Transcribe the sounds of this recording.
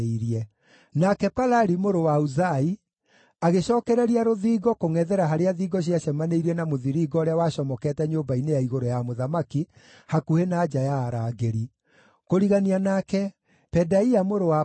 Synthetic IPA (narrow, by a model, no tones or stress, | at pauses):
iɾiɛ | nakɛpalaɾimoɾowauzai | aɣeɕɔːkɛɾɛɾiaɾoðiːɡɔkoŋɛðɛɾaɦaɾeaðiːɡɔɕ̬iaɕɛmaneiɾiɛnamoðiɾiːɡɔːɾeawaːɕɔmɔkɛtɛɲombainejaiɣoɾojamoðamaki | hakuhenaːd͡ʒajaːɾaːɡeɾi | koɾiɣanianakɛ | pɛdaiamoɾoa